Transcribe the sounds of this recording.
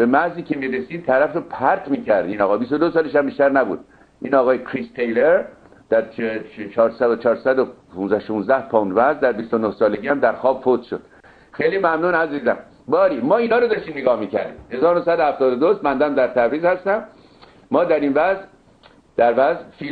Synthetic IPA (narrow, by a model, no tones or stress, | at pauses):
b̥emæziːkʰemiːɾesiːd̪̚t̪ʰæɾæfɾopʰæɾt̪miːcʰæɾd̪iːnɒːɣɒːbist̪od̪osɒːleʃæmbiʃt̪æɾnæbṵːd̪̚ | ʔiːnɒːɣɒːjekʰɾist̪ʰejleɾ | d̪̥æɾt͡ʃʰet͡ʃʰɒːɾsæd̪ot͡ʃʰɒːɾsæd̪opunzæhʃũːnzd̪æhpʰɔnvæzd̪æɾbist̪onohsɒːle̞ɟiːæmd̪æɾxɒːbfot̪ʃod̪̥ | xejliːmæmnuːnæziːzæm | bɒːɾiːmɒːiːnhɒːɾod̪ɒːʃt̪iːmneɡɒːhmiːkʰæɾd̪ḭːmhe̞zɒːɾnosæd̪ohæft̪ɒːd̪od̪osbænd̪æmd̪æɾt̪ʰæbɾiːzhæst̪æmː | ɒːd̪æɾinvæz | d̪̥æɾvæzfiː